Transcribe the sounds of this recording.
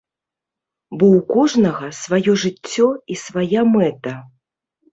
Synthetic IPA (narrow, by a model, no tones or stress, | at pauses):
bɔwkɔʐnɐɣɐsvajɔʐɨt͡sʲːɔisvajamɛt̪ɐ